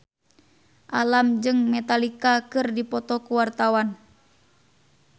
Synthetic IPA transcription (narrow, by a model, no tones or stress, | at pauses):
ʔalamd͡ʒɨŋmɛt̪alikakɨrdipɔt̪ɔkuwart̪awan